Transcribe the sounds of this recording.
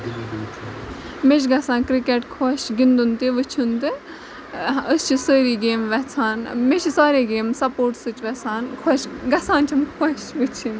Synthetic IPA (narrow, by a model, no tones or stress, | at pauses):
meʃ̬ɡɐsãːnkɾikeʈkʰoʃɡind̪unt̪eʋət͡ʃʰunt̪ɨ | əst͡ʃʰisəːɾiːɡeːmʋɛt͡sʰaːnmeʃʰisaːɾeɡeːmsɐpoːɾʈsɨt͡ʃʋɐt͡sʰaːnkʰoːʃɡɐsãːnt͡ʃʰɐmkʰɔʃʋɨt͡ʃʰin